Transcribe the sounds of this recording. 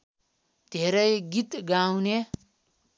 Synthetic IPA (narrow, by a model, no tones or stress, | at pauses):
d̪̥ʱeɾʌjɡit̪ɡawne